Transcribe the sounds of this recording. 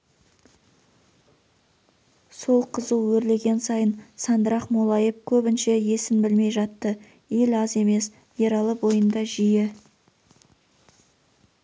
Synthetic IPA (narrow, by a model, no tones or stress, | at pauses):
so̞lˠqʰəzəwwɵɾle̞ɡʲe̞nsɑjənsɑnd̪əɾɑqmolˠɑjep̚kʲʰɵbɪnʃe̞je̞sɪnbɪlme̞jʒɑt̪ːə | elɑze̞me̞s | je̞ɾɑlˠəbo̞jənd̪ɑʒijɪ